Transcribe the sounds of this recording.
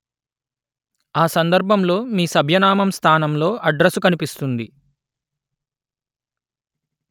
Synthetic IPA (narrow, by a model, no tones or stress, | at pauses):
aːsɐnd̪ɐɾbʱɐmlo̞ːmiːsɐbʱjɐnaːmɐmst̪ʰaːnɐmlo̞ːʔɐɖɾɐsukɐnipist̪und̪i